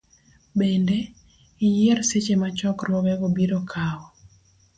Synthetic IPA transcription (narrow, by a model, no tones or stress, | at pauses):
bendɛ | ijɛrset͡ʃemat͡ʃɔkɾwɔɡɛɡobiɾokʰawɔ